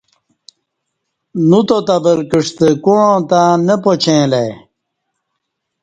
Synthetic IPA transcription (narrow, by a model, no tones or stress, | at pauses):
nut̪ot̪ɐbəlkəʂt̪ekuɻõːt̪ãnepot͡ɕʰẽːlej